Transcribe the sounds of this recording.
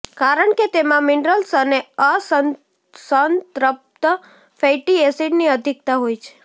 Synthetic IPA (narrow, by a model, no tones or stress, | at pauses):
kaɾəɳket̪emãmɪɳɖɾəlsəneəsə | sənt̪ɾəp̚t̪ə | fejʈiesiʈniəd̪ʱik̚t̪aɦojt͡ʃʰe̥